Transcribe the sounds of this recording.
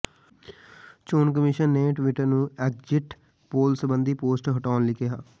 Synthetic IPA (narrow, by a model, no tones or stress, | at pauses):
t͡ʃoːnk̬əmɪʃənːeːʈʋɪʈəɾnũːɛkd͡ʒɪʈ | poːlsəbənd̪iːpoːsʈɦəʈaːnlɪkʰeɦa̰ː